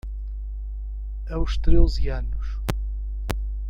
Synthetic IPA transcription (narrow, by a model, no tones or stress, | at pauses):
ɐuʃt̪ɾezianuʃ